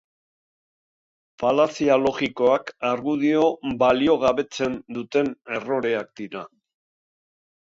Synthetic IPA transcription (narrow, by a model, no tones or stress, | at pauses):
palasialo̞ɣiko̞akaɾɣuð̞io̞balio̞ɣ̞aβe̞t͡se̞nd̪ut̪e̞ne̞ro̞ɾe̞akd̪̥iɾa